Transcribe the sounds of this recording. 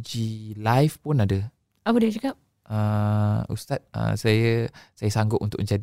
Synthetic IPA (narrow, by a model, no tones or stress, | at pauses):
d͡ʒilajfpʊnadə | apədid͡ʒakap̚ | ʔəṵst̪at̪̚ə̰sajəsajəsaŋɡʊʔʔunt̪ʊkməɲd͡ʒad